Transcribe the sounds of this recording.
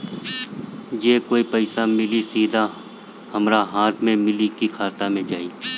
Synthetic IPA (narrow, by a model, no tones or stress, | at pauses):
jeːkoːipəɪsamɪlisiːd̪ʱa | həmɾaɦaːt̪ʰmẽmɪlikikʰaːt̪amẽd͡ʒaːiː